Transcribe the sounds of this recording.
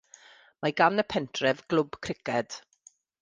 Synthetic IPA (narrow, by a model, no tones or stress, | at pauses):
maɡanəpʰɛntʰrɛvɡ̥lˠʊbkʰrɪkʰɛd̥